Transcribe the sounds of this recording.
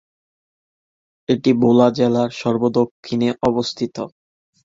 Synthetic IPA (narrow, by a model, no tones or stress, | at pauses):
eʈibolad͡ʑɛlaɾʃɔɾbod̪okʰːineʔɔbost̪ʰit̪o